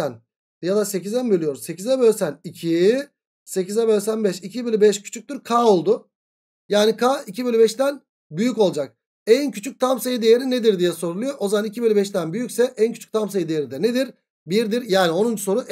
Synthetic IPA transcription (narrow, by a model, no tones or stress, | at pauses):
æn | jad̪ase̞cizænbølʲijo̞ɾumse̞cizɛbø̞lʲsænicʰi | se̞cizɛbø̞lʲsænbɛʃicʰibelʲybɛʃcʰy̥t͡ʃʰyc̚t̪yɾkʰaːo̞lˠd̪ʊ | jaːnikʰaːicʰibelʲybɛʃt̪æn | byjyco̞lˠd͡ʒak̚ | ɛncʰyt͡ʃʰyc̚t̪ʰamsejid̪ejeɾined̪iɾd̪ijɛso̞ɾulˠujo̞ʔozamanicʰibelʲybɛʃt̪ænbyjycʲsɛʔæncʰy̥t͡ʃʰy̥c̚ʲt̪ʰamsejid̪ejeɾid̪ɛned̪iɾ | biɾd̪iɾjaːnio̞nund͡ʒuso̞ɾuʔ